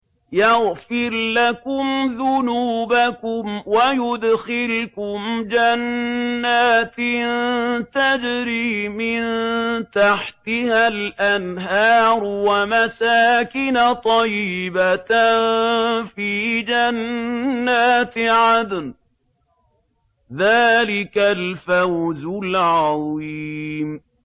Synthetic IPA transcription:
jɑɣfɪɾlakʊmðʊnuːbakʊmwajʊd̪xɪlkʊmd͡ʒanːaːt̪ɪnt̪ad͡ʒɾiːmɪnt̪aħt̪ɪhalʔanɦɑːɾwamasaːkɪnat̪ˤɑjɪbat | fiːd͡ʒanː | aːt̪ʕad̪n | ðaːlɪkalfawzʊlʕɑðˤiːm

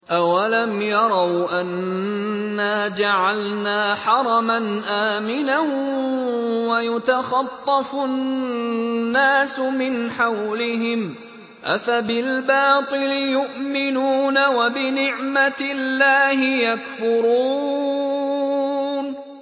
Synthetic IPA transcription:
ʔawalamjɑɾˤɑwʔanː | aːd͡ʒaʕalnaːħɑɾˤɑmanʔaːmɪnan | wajʊt̪axɑt̪ˤːɑfʊ | aːsʊmɪnħawlɪɦɪm | ʔa̰fabɪlbɑːt̪ˤɨlɪjʊʔmɪnuːnawabɪnɪʕmat̪ɪlːaːhɪjakfʊɾuː | n

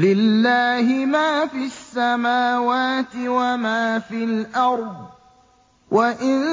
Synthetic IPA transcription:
lɪlːaːhɪmaːfiasːamaːwaːt̪ɪwamaːfilʔɑɾˤd̪ˤ | wʔaʔɪn

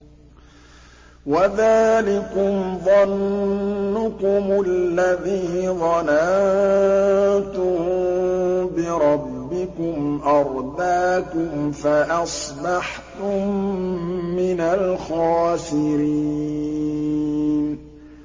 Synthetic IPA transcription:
waðaːlɪkʊmðˤɑnː | ʊkʊmʊlːaðiːðˤɑnan | t̪ʊ | bɪɾˤɑbːɪkʊmʔɑɾˤd̪aːkʊmfaʔɑsˤbɑħ | t̪ʊmː | ɪnalxaːsɪɾi | n

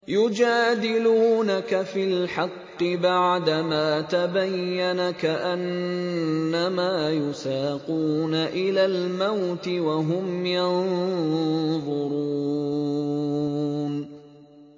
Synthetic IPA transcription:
jʊd͡ʒaːd̪ɪluːnakafilħɑqːɨbaʕd̪amaːt̪abajːanakaʔanː | amaːjʊsaːquːnaʔɪlaːlmawt̪ɪwaɦʊmjɑn | ðˤʊɾuː | n

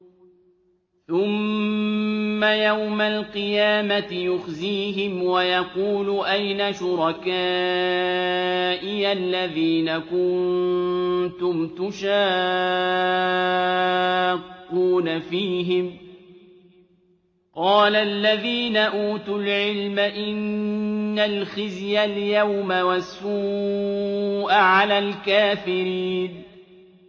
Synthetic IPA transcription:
θʊm | ajawmalqɨjaːmat̪ɪjʊxziːɦɪmwajɑquːluʔajnaʃʊɾˤɑkaː | ʔɪjalːaðiːnakʊn | t̪ʊmt̪ʊʃaː | kːuːnafiːɦɪm | qɑːlalːaðiːnaʔuːt̪ʊlʕɪlmaʔɪnː | alxɪzjaljawmawasːuː | ʔaʕalaːlkaːfɪɾiːn

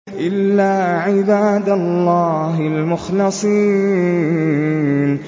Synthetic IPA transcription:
ʔɪlːaːʕɪbaːd̪alˤːaːɦalmʊxlɨsˤiː | n

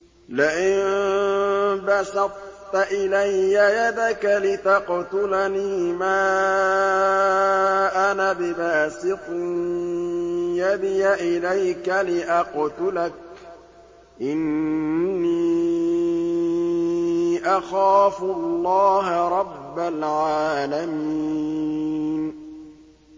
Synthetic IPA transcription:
lɪʔɪm | bɑsɑd̪̚ˤ | t̪aʔɪlajːajad̪akalɪt̪ɑqt̪ʊlaniːmaː | ʔanabɪbaːsɪt̪ˤɪ | jad̪ɪjaʔɪlajkalɪʔɑqt̪ʊlak̚ | ʔɪnː | iː | ʔaxaːfʊlːɑːɦaɾˤɑbːalʕaːlamiː | n

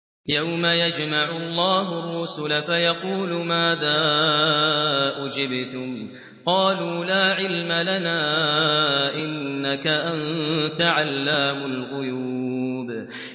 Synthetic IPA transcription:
jawmajad͡ʒmaʕʊɑlˤːɑːɦʊrːʊsʊlafajɑquːlʊmaːðaː | ʔʊd͡ʒɪbt̪ʊm | qɑːluːlaːʕɪlmalanaː | ʔɪnːakaʔant̪aʕalːaːmʊlɣʊjuːb

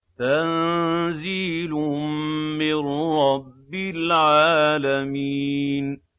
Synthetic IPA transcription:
t̪anziːlʊmmɪɾːɑbːɪlʕaːlamiːn

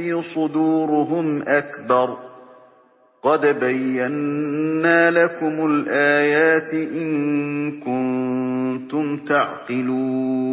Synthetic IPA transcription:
iːsˤʊd̪uːɾʊɦʊmʔakbɑɾˤ | qɑd̪bajːanː | aːlakʊmʊlʔaːjaːt̪ʔɪŋkʊnt̪ʊmt̪aʕqɨluː

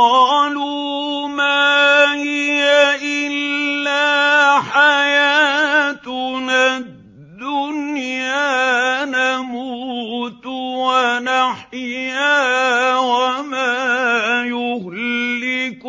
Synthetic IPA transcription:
ɑːluː | maːhɪjaʔɪlːaːħajaːt̪na | d̪ːʊnjaːnamuːt̪wanaħjjaːwamaːjʊhlːɪk

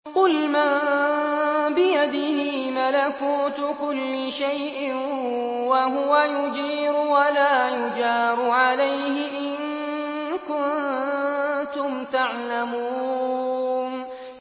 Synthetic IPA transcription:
qʊlmaː | bɪjad̪ɪɦɪmalakuːt̪ʊkʊlːɪʃajʔɪ | waɦʊwajʊd͡ʒiːɾʊwalaːjʊd͡ʒɑːɾˤʊʕalajɦɪʔɪn | kʊn | t̪ʊmt̪aʕlamuː | n

